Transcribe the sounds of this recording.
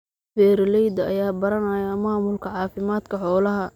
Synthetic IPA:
fɛːɾɪlɛjd̪ɐɐjaːbɐɾɐnɐjɐmaːmʊlkʰɐʕɑːfɪmaːd̪kʰɐħɔːlɐɦɐ

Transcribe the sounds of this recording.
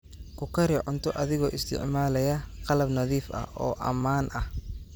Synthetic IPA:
kʰʊkʰɐɾɪʕʊnt̪ʰɔʔɐðɪɣɔːʔɪst̪ʰɪ̰ʕmaːlɛjɐqɑlɐbnɐðiːfɐ̰hʔɔːʔɐ̰maːnʔɐh

